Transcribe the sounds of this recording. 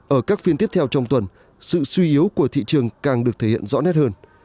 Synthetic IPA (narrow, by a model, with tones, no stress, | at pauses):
ʔəː˧˩kaː˦˥k̚fi˧nt̪i˦˥əp̚t̪ʰɛ˧wt͡ɕɔ˧wŋ͡mt̪wə˨˩n | sɨ̰˧˨swi˧ʔi˨˦əwku˧˩ət̪ʰḭ˧˨t͡ɕɨ˨˩əŋkaː˨˩ŋɗɨ˨˩ək̚t̪ʰe˧˩hḭ˧˨ənzɔ̰˧˥nɛ˦˥t̚həː˧n